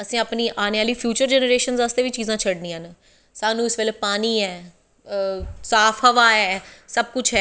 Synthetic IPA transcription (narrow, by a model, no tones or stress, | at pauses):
əsĩːapniːʔaːneːaːliːpʰjuːt͡ʃəɾd͡ʒɛːnəɾeːʃənzaːst̪eːʋit͡ʃiːzãːt͡ʃʰəɽnĩːən | saːnũːɪsʋeleːpaːniːɛː | saːpʰɦəʋaːɛːsəb̚kʊt͡ʃʰɦɛː